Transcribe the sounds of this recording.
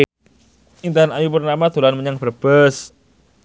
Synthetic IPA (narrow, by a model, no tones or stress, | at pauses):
int̪aɦanajupərnamat̪uɾlanməɲaŋbərb̥əs